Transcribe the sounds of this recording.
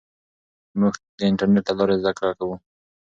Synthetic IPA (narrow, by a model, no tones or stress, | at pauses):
mʊxd̪əɪɳʈaɾneʈ̪̚ːalɑɾezd̪akɾakawu